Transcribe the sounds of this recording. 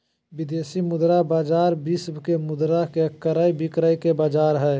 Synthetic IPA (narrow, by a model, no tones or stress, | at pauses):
bɪd̪eːsimʊd̪ɾabaːd͡ʒaːɾbisbkemʊd̪ɾakeəkːəɾaibɪkɾəikebaːd͡ʒaːɾɦɛː